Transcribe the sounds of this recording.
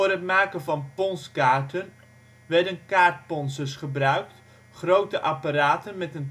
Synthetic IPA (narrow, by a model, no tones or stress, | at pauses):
oːrɦətmaːkənvɑnpɔnskaːɹtən | ʋɛɹdənkaːɹt̚pɔnsəɹsχəbrœɥk̚t | χrowtəʔapaɾaːtənmɛtən